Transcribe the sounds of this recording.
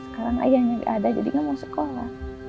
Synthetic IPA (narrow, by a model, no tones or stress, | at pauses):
səkaɾaŋa̰jaɲaɡʔadad͡ʒadiŋamasə̥kola̰h